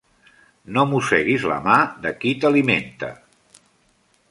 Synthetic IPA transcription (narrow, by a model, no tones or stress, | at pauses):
nomusɛɣizlə̰mad̪əkit̪əliment̪ə̰